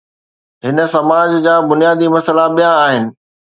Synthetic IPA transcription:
ɦɪnə̆sɐmaːd͡ʑd͡ʑaːbʊnijaːd̪imɐsəlaɓijãːɦɪnɪ̆

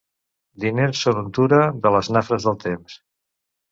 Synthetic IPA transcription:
d̪inesonunt̪uɾəðələznafɾəzðəlˠt̪ems

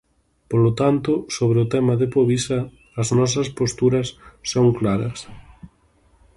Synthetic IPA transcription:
polot̪ant̪ʊsoβɾeʊt̪ɛmɐðɪpoβisɐː | znɔs̬ɐspost̪uɾɐsːoŋklaɾɐs

